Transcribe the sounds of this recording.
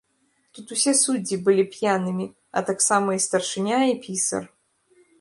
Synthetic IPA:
t̪ut̪usʲɛsud͡zʲːibɨlʲipʲjanɨmʲi | ɐ̰t̪aksamɐist̪ɐrʂɨnʲaipʲisɐ̰r

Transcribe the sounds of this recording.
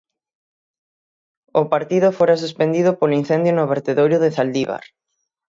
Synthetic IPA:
ʊpaɾt̪iðʊfoɾas̬uspend̪iðʊpolin̟θend̪jonʊβeɾt̪eðoɾjʊðeθald̪iβa̰ɾ

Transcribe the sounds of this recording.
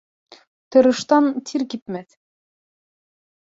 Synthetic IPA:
t̪ɤ̆ɾɤ̆ʃt̪ɑnt̪ʰiɾkip̪̚mæθ

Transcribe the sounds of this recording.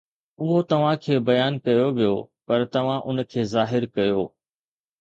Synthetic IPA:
ʊɦot̪ɐʋ̤ãkʰeːbɐjaːnkɐjoʋijo̰pɐɾt̪ɐʋ̤ãʔʊnkʰeːzaːɦɪɾkɐjoː

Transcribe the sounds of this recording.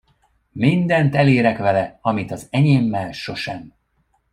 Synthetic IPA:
mind̪ɛnt̪ɛleːɾɛkʋɛlɛɒmit̪ɒzɛɲeːmːɛlʃo̞ʃɛm

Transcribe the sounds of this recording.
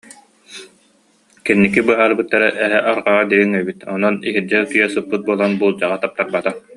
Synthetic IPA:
kinːikibɯɦaːɾbɯt̪ːaɾɛʔɛɦɛʔaɾʁaʁad̪iɡiŋœbit̪ɔnɔniɦiɾd͡ʑɛlkijɛsɯpːɯt̪̚buɔlˠanbuːlˠd͡ʑaʁat̪ap̚t̪aɾbat̪a

